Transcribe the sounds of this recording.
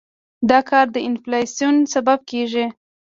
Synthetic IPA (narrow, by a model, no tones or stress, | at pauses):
d̪ɑkʰɑɾd̪əɪnflɑsjunsabab̚keʒi